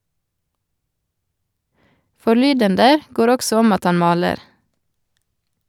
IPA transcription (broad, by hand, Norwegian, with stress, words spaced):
fɔˈɭyːdəndə ˈɡoːɾ ˈɔksɔ ˈɔm ˈɑt ˈɑn ˈmɑːləɾ